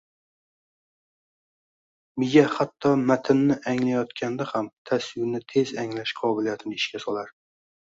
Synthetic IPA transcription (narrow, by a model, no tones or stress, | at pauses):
mɪɡʲahat̪ʰːɒmat̪ʰɪnːɪʔaŋlajɒt̪kʲʰand̪ahamt̪ʰaswɪnɪt̪ʰe̞zaŋlaʃqʰɒbɪlijat̪ʰɪnɪɪʃkʲasɒlˠaɾ